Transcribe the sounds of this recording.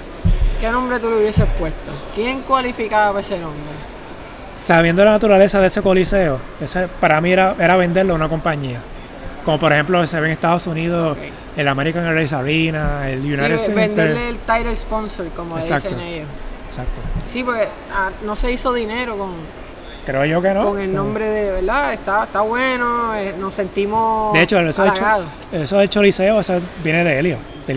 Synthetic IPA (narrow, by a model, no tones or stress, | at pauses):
kenõ̞mbɾet̪uleuβjesehpwest̪okjeŋkwalifikaβapesenõmbɾe | saβjend̪olanat̪uɾale̞saðese̞ko̞liseoesoepaɾamieɾaʔe̞ɾaβe̞nd̪e̞ɾlounako̞mpaɲia | komo̞poɾe̞hemploseβeeŋest̪aðo̞suniðos | elameɾikaŋerejs̬aɾinaeljunajt̪esenent̪eɾelt̪ajɾeɾsponsoɾkomoeðsakset̪onejoesak̚t̪osipoɾke | ano̞se̞isoðineɾokoŋ | kɾeoʝo̞kenokoŋelnõmbɾeðeβeɾd̪aest̪aet̪aβwenoenose̞nt̪imod̪eet͡ʃoelesoðeaɣaðo | esoðet͡ʃoliseoesebjeneðeeljo | d̪e